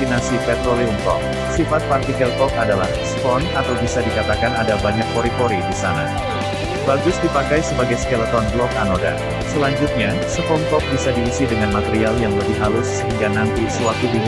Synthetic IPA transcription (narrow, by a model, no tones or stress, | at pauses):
inasipɛt̪ɾoliŋkɔ̰k̚ | sifat̪̚part̪ikɛlkɔk̚adalahsəpɔnat̪awbisadikat̪akanadabaɲak̚koɾikɔɾidisana̰ | baɡʊsdipakajsəbaɡajsə̥kɛlat̪ɔnɡlɔkanoda̰ | səlaɲd͡ʒʊt̪̚ɲa | səpɔŋkɔk̚bisadiisidəŋanmat̪eɾialjaŋləbɪɦalʊsəɦiŋɡanant̪isəwak̚t̪udi